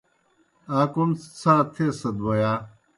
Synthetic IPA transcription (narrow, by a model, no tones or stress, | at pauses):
aːkunt͡saːt̪ʰesɐd̪wɐjaː